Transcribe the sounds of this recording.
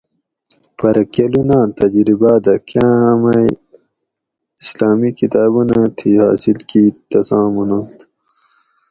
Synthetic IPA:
pɐɾɐkɐlunãːt̪ɐd͡ʑɾibaːd̪ɐkʰjãːɦɐmɐj | islaːmikit̪aːbunat̪ʰiha̰ːsilkiːt̪ɐsãːmunaːt̪

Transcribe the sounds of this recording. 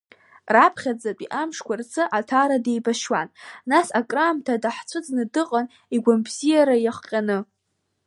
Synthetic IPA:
rapʰχʲad͡zapʼiʔamʂkʷʰart͡sʰʼɨʔatʰaɾade̞jbaʃwannasakʼraːmtʰadaħt͡sʷʰɨd͡zʼnɨdɨqʼan | iɡʷambzijaɾajaχʷqʲʼanɨ

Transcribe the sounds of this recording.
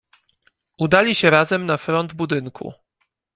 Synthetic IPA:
ud̪alʲiɕɛɾazɛmnafɾɔnd̪bud̪ɘŋkʰṵ

